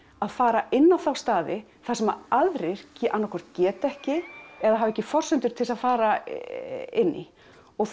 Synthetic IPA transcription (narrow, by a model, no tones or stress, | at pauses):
aðfaːɾaʔɪnːawθawst̪aːðɪ | θasɛmaaðɾejɾ̥cʔanːawkʰɔr̥t̪cɛːt̪ɛhcɪɛðahɦaːvɛhcːɪfɔr̥sʏnt̪ʏɾ̥t̪ʰɪlsaðfaːɾa | ɪnːɪ̰ | ɔ